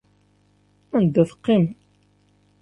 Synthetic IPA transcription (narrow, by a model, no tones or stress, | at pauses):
ænd̪ːæθə̥qːim